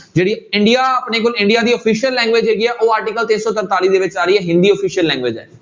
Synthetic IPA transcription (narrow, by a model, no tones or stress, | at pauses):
d͡ʒeːɽiːɪɳɖijaːəpneːkoːlɪ̃ɳɖijaːd̪iːɔːpʰiːʃəlːɛ̃ːŋɡʋeːd͡ʒeːɡiːɛːʔoːaːɾʈikəlt̪ɪnsɔːt̪ənt̪aːliːd̪eːʋɪt͡ʃaːɾiːɛːɦɪ̃nd̪iːɔːpʰiːʃəlːɛ̃ːŋɡʋeːd͡ʒɛ̰ː